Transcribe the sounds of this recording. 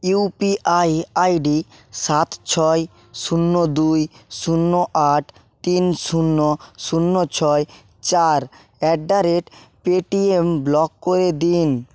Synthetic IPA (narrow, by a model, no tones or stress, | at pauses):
iupiajajɖisat̪t͡ɕʰɔe | ʃunːod̪ujʃunːoʔaʈʰ | t̪inʃunːoʃunːot͡ɕʰɔe | t͡ɕaɾ | ɛɖaɾeʈpeʈiemblɔkːoɾed̪in